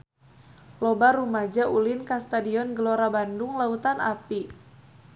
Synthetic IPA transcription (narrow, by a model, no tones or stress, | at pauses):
lɔbaɾumad͡ʒaʔulinkast̪adiɔnɡəloɾabanduŋlaut̪anapi